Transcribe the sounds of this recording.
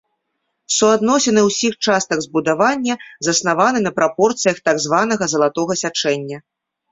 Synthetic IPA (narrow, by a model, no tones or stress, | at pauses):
suad̪nɔsʲɐnɨwsʲixt͡ʂast̪ɐɡzbud̪avanʲːɐzɐsnavanɨnɐpɾapɔrt̪sɨjɐxt̪aɡzvanɐɣɐzɐlˠat̪ɔɣɐsʲat͡ʂɛnʲːɐ